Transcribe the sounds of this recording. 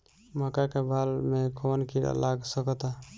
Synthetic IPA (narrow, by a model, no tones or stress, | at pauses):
məkakebʱalmekʰonkiɾa̰laɡsəkət̪a